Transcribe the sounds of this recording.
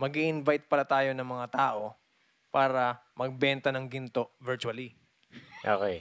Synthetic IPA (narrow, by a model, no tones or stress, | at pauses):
mɐɡiʔɪnvajt̪̚pɐlat̪aːjo̞nɐŋmɐŋat̪aːʔo̞ | paːɾɐmɐɡ̚bɛnt̪ɐnɐŋɡɪnt̪o̞ʔvɛɹt͡ʃuɐli | ʔo̰ːkɛj